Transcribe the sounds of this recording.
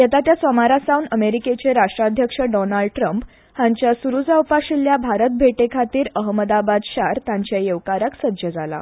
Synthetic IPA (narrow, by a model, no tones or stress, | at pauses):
jat̪at̪jasʋəmaɾasawnəmeɾiket͡seɾaʂʈɾad̪ʱjəkʂəɖɔnaɭɖʈɾəmp | haɲt͡ɕjasuɾud͡zawpaɕiljabʱaɾət̪̚bʱeʈekʰat̪iːɾəɦməd̪abad̪ɕaɾt̪jãɲt͡ɕjajeʋkaɾaksəd͡ʑəd͡zala̰